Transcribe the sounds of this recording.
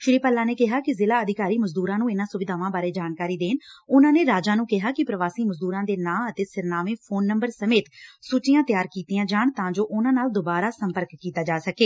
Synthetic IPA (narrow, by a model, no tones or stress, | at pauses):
ʃɪɾiːpəlːãːneːkɪɦaːkɪzɪlaːəd̪ɪkaːɾiːməzd̪uːɾãːnũːɪnãːsʊʋɪd̪aːʋãːbaːɾeːd͡ʒaːnkaːɾiːd̪eːnʊnãːneːɾaːd͡ʒaːnũːkɪɦaːkɪpɾəʋaːsiːməzd̪uːɾãːd̪eːnãːət̪eːsɪɾnaːʋẽːpʰoːnːəmbəɾsəmeːt̪sʊt͡ʃɪjãːt̪ɪjaːɾkiːt̪ijãːd͡ʒaːɳt̪ãːd͡ʒoːʔʊnãːnaːld̪oːbaːɾaːsəmpəɾkːiːt̪aːd͡ʒaːsəkeː